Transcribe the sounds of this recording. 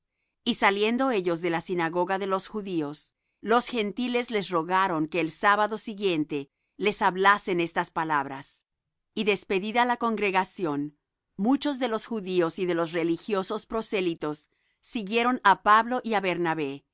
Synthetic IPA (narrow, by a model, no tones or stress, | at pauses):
isalje̞nd̪o̞e̞ʝo̞zðe̞lasinaɣo̞ɣaðe̞lo̞sxuðio̞s | lo̞sxe̞nt̪ile̞zle̞sro̞ɣaɾo̞ŋke̞ːlsaβaðo̞siɣje̞nt̪e̞ | le̞saβlase̞ne̞st̪aspalaβɾa̰s | iðe̞spe̞ðiðalako̞ŋɡɾe̞ɣasjo̞n | mut͡ʃo̞zðe̞lo̞sxuðio̞siðe̞lo̞s̬relixjo̞so̞spɾo̞se̞lit̪o̞sː | iɣje̞ɾo̞napaβlo̞ʔiaβe̞ɾnaβe̞